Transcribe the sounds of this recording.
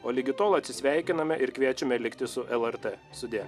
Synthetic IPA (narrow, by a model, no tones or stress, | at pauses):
oːlʲɪɡʲɪt̪oːlˠɐt̪ʲsʲɪsʲʋʲæˑɪkʲɪnɐmʲɛʔɪɾkʋʲiɛt͡ʃʲʊmʲɛlʲɪkt̪ʲɪsʊʔɛlˠɛɾt̪est̪ʊd̪ʲijɛ